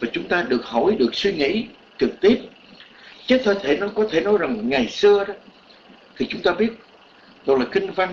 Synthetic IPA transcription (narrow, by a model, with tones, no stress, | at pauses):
vaː˨˩t͡ɕʊ˨˦ŋ͡mt̪aː˧ɗɨ˨˩ək̚hɔ˧˩jɗɨ˨˩ək̚swi˧ŋḭ˧˥ | t͡ɕɨ˨˩k̚t̪i˦˥əp̚ | t͡ɕe˨˦˥t̪̚ʰə˧˩t̪ʰe˧˩nɔ˨˦kɔ˨˦t̪ʰe˧˩nɔ˨˦jza˨˩ŋŋa˨˩jsɨ˧əɗɔ˨˦ | t̪ʰi˨˩t͡ɕʊ˨˦ŋ͡mt̪aː˧ɓi˦˥ət̚ | ɗɔ˧laː˨˩kï˧ŋ̟va˧jŋ